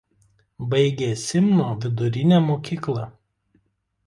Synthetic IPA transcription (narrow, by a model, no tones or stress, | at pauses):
bɐɪɡʲeːsʲɪmnoːʋʲɪd̪ʊɾʲɪnʲɛæːˑmoːkʲiːklˠɐ